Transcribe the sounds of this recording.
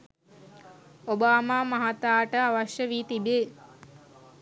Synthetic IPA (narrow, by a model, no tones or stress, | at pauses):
obaːmaːmɐɦat̪aːʈəaʋɐʃjəʋiːt̪ibeː